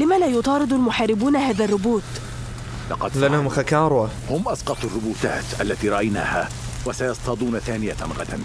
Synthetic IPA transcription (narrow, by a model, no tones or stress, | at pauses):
lɪmaːlaːjʊt̪ˤɑːɾɨd̪ˤʊlmʊħaːɾɪbuːnahaːðarˤːʊbuːt̪ | lɑqɑlʔanːahʊmxakɑːɾˤwa | hʊmʔɑsqɑt̪ˤarˤːʊbuːt̪a̰ːt̪ʔalːat̪iːɾˤɑʔajna̰ːha | wasajɑsˤt̪ɑd̪ˤuːnaθaːnɪjaɣa̰d̪a̰n